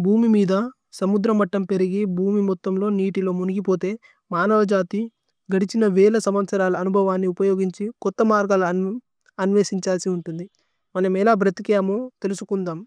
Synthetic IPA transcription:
bʱuːmimiːd̪ɐ | sɐmud̪ɾɐmɐʈːɐmpe̞ɾiɡibʱuːmimɔt̪ːɐmlo̞ːniːʈilo̞ːmuniɡipo̞ːt̪e̞ː | maːnɐʋɐd͡ʒaːt̪i | ɡɐɽit͡ʃinɐʋɛːlɐsɐmʋɐt̪sɐɾaːlɐːnubʱɐʋaːnːiupɐjoːɡiɲt͡ʃikɔt̪ːɐmaːɾɡaːl | ɐnʋeːsiɲt͡ʃaːlsiuɳʈund̪i | mɐnɐmɛlaːbɾɐt̪ikijaːmoːt̪e̞lusukund̪aːm

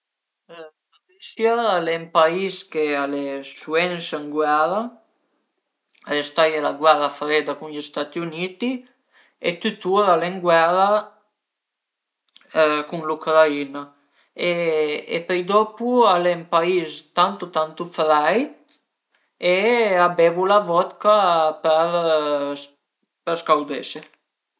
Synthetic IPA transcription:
aɾisjaalɛmpaiskealesuɛnsəŋɡwaɾa | aest̪ajelaɡwɛɾafɾed̪akunʎest̪at̪iunit̪i | et̪yt̪uɾaleŋɡwaɾa | kuŋlukɾaina | eḛpɛjd̪ɔpualɛmpaist̪ant̪ut̪ant̪ufɾajt̪̚ | eabɛvulavɔt̪kapɛɾ | pəɾskawd̪ɛ̰se

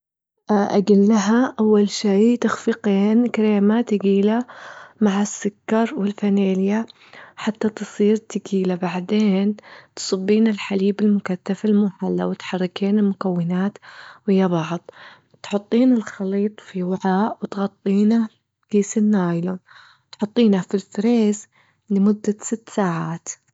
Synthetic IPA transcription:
ʔʔa̰ɡalːaɦaʔawːalʃiːt̪axfiqeːnkɾaːmat̪ɪɡiːlamaʕasːʊkːɑɾˤwɪlfaneːlja | ħat̪ːat̪ɨsˤiːɾt̪ɪɡiːlabaʕd̪eːnt̪sˤɑbːiːnɪlħaliːbɪlmʊkaθːafalmʊħalːa̰wɪt̪ħɑrˤːɪkeːnɪlmʊkawːɪnaːt̪wɪjːabɑʕðˤ | t̪ħʊt̪ˤːiːnalxɑliːt̪ˤfiwaʕaːʔwɪt̪ɣɑt̪ˤːiːna | kiːsɪnːaːjlo | t̪ħʊt̪ˤːiːnafilfɾeːz | lɪmʊd̪ːasɪt̪ːsaːʕaːt̪

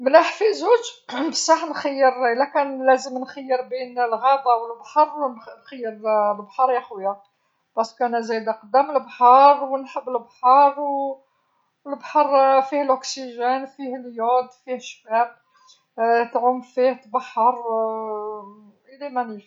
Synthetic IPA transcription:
mnæħfizuʒbəsˤːɑħnxajːəɾəlːækænlæzəmnxəjːəɾbinəlɣɑd̪ˤɑwəlbħɑɾˤnxajːəɾlbħɑɾˤjæxwjæ | b̥ɑskænæzæjd̪æqɑd̪ːæməlbħɑɾˤwənħəbːəlbħɑɾˤw | lbħɑɾˤfihlʔʊksiʒænfihljod̪fihʃbæl | t̪ʕʊmfiht̪bɑħːɑɾˤ | ʔəlæmænif

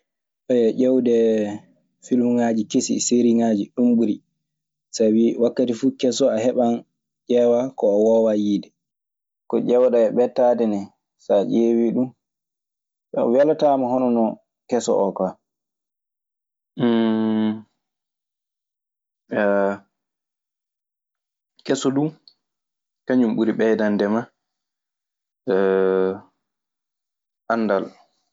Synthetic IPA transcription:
ʔɔjɛʔɛwdɛ | filmuŋad͡ʒikesḭseɾiŋaːd͡ʒiɗumbuɾi | sabiwakːatifukɛsɔaɦɛɓan | d͡ʒɛwakɔːwɔwajiːdɛ | kɔʔɛwɗaɛɓɛtːadɛnɛ | saʔeːwiɗum | ɓɛ̰walatamahɔnɔnɔ | kɛsɔ̰ʔɔka | a | kɛsɔdu | kaɲumɓuɾiɓɛdandɛma | ʔanːdal

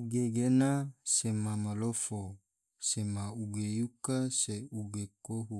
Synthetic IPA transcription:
uɡeɡenasemamalofo | semauɡejukaseuɡekoɦu

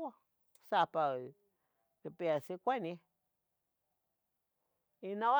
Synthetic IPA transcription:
o | sapa | ɾipeasikʷanĩ | inãwa

